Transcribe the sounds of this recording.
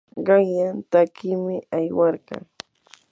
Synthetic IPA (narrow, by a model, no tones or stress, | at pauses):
ɢɑŋjant̪akɪmɪajwɑɾɢɑ̰ŋ